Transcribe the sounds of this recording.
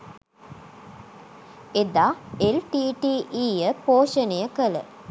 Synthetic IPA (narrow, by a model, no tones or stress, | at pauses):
ed̪aːelʈiːʈiʔiːjəpoːʃənejəkələ̰